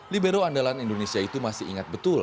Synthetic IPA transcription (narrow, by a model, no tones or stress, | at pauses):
libeɾoandalanindonesiait̪umasɪḭŋat̪̚bət̪ul